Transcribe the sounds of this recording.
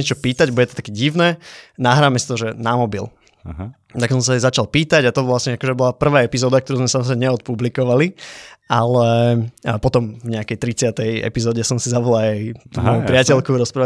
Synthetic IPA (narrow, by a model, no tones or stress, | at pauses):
ɛt͡ʃɔpiːt̪aɟbɔɟɛt̪ɔ̥t̪ḁkɛɟiʋnɛnaɦɾaːmɛsi̥t̪ɔʒɛnamɔbḭl | t̪aksɔms̬aɛzat͡ʃalˠpiːt̪aɟat̪ɔʋlasɲɛakɔʒɛbɔlapr̩ʋaːɛpizɔːd̪akt̪ɔɾuːzmɛsamɔzɾɛmɛɲɛɔt̪̚publikɔʋaliʔalɛ | pɔt̪ɔmvɲɛakɛjt̪ɾit͡sɪat̪ɛjɛ̰pizɔːɟɛsɔmsizabɔlaajt̪umɔjupɾɪacɛlkuɾɔspɾa